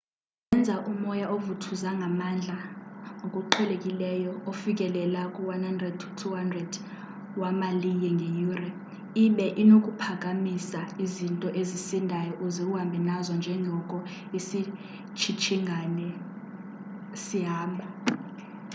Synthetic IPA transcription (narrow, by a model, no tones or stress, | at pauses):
ɛnd͡zʱaʔumɔjaʔovutʰuzaŋʱamand͡ɮʱaŋokʼuǃʰɛlekʼilɛjɔofik̬ʼɛlɛlakʼuwanhandrɛd̚tʰu̥tʰuɦandrɛd | wamaliɲɛŋʱejuːrɛ | iɓɛʔinokʼupʰak̬ʼamisaizintʼɔʔezisindʱajɔʔuzik̬ʼuɦambʱɛnazɔnd͡ʒʱɛŋʱɔkʼɔisi | t͡ʃʰit͡ʃʰiŋʱanɛ | siɦaːmɔ